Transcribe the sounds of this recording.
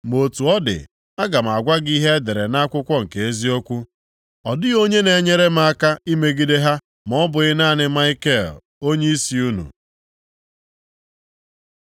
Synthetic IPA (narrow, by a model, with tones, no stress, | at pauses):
mo˨tu˨ɔ˦dɪ̰˨ | a˦ɡa˨m̩˨a˨ɡʷa˦ɡi˦ɦe˦e˦de˨ɾe˨na˦kʷʊ˦kʷɔ˦ŋ̩˨ke˨e˦zi˦o˦kʷu˦ | ɔ˨dɪ˦o˦ɲe˦ne˨ɲe˦ɾe˦m˦a˦ka˦i˦me˦ɡi˦de˦ɦa˦ | m˨ɔ˦bʊ˨ɣɪ˦na˦˨nɪ˦ma˦ɪ˦ke˦˨l | o˦ɲe˦i˦si˨u˦nṵ˨